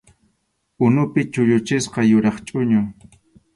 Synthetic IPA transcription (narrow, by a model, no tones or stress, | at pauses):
ʊnʊpɪt͡ʃʊʎʊt͡ʃɪsqɑjʊɾɑχt͡ʃʼʊɲʊ